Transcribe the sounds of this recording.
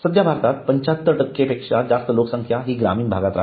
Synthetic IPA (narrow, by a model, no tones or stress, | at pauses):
səd̪jabʱaɾt̪at̪̚pəɲt͡ɕat̪ːəʈəkːepekʂad͡zast̪əloksəŋkʰjaɦiːɡɾa̰miːnbʱaɡat̪ɾa̰